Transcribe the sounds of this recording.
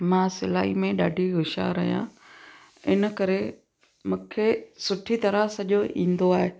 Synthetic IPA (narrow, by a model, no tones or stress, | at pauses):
mãːsɪla̰ːimẽɗaːɖʱiɡʊʃa̰ɾɐɦijã̰ | ɪnə̆kɐɾe | mũːkʰesʊʈʰit̪ɐɾəsɐʄoʔĩːn̆d̪oaːɦeː